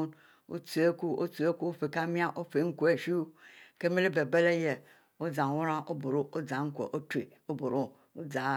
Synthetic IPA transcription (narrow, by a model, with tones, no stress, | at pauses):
n | o̰˦t͡su˨e˦ku˦o̰˦tu˨e˦ku˦o˦fe˨ka˦mi˦a˦ʔo˦fe˨˦ŋ̩˦ku˨e˨ʃi˦ke˦me˦le˦be˨be˦le˦je˨ | o˦d͡za˨wu˦ɾa˦ʔo˦bo˨ɾo˦o˦d͡zã˨ŋ̩˦kʷḛ˨ʔo˦tu˨e˨ | o˦bo˨ɾo˦ | o˦d͡za˨